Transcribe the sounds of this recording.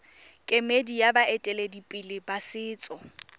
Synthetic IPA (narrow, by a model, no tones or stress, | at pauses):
kʼemedijabaʔɛtʼɛledipʼɪlɪbasɪːt͡sʼɔ